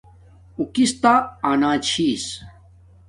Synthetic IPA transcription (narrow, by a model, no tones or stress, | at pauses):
ukist̪aːnaːt͡ɕʰiːs